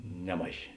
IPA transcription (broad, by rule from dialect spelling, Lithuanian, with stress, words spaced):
ˈnʲæːmɐˌʒʲeː